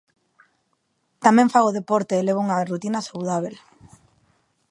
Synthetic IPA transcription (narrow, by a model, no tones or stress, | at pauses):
t̪amɛ̃ɱfaɣoðepɔɾt̪eːleβ̞ouŋarut̪inasawðaβ̞el